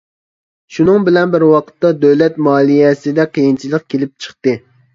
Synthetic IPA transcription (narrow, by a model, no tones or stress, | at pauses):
ʃunɨŋbɪlɛnbɪɾwɑqʰə̥t̪ːɑd̪øwlɛt̪mɑːlˠijɛsɪd̪ɛqʰijint͡ʃʰilˠəq̚kʲʰelɪp̚t͡ʃʰə̥χt̪ɨ